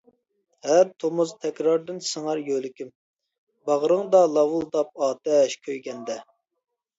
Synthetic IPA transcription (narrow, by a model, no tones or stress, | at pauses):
hæɾt̪ʰomuzt̪ʰɛkʲɾɑɾd̪ɨnsɨŋɑɾjølɪkʲym | bɑʁɾɨŋd̪ɑlˠɑwulˠd̪ɑp̚ɑːt̪ɛʃkʲʰøjɡʲɛnd̪ɛ